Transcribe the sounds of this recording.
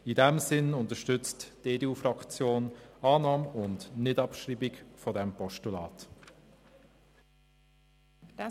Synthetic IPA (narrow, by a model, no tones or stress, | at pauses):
idɛmsɪnʊntəʃtʏt͡std̥eːdeuːfɾɑkt͡sjoːnɑːnɑːmʊndnɪdɑpʃɾiːbikfɔdɛmpɔʃtulɑːt